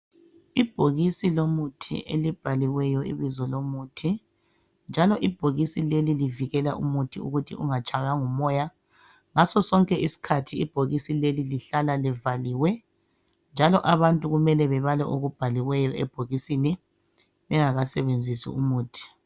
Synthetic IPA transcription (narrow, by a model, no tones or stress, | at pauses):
ib̥ʱoɣisilomutʰḭʔḛlib̥ʱaliwɛjɔḭβizɔlomutʰi | nd͡ʒʱalɔʔib̥ʱoɣisileliliviɣɛla̰ʔumutʰiṵɣutʰḭʔuŋat͡ʃʼaɣaŋumɔja | ŋasɔsɔŋkʼɛʔisi̥kʰatʰiːb̥ʱoɣisileliliɬalalɛvaliwɛ | nd͡ʒʱalɔʔaβantʼuɣumɛlɛβɛβalɛ̰ʔoɣub̥ʱaliwɛjɔʔɛb̥ʱoɣisini | βɛŋaɣasɛβend͡zʱisḭumuːtʰi̥